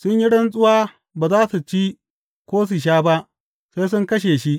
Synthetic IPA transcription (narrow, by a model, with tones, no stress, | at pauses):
sʊ˦ɲji˦ɽɐ˦ns̬ʼʊ˦waː˦ | baː˨zaː˦su˨t͡ʃiː˦ | kʷoː˦s̬u˨ʃ̬aː˦ba˦ʔ | sa˦s̬ʊ˦ŋkɐ˦ʃ̬eː˨ʃi˦ʔ